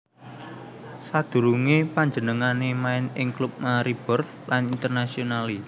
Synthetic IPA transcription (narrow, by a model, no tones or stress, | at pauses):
sad̪̥ṳɾuŋepaɲd͡ʒənəŋanemaɪnɪŋklup̚naɾib̥ɔ̤r | lanint̪ərnasionali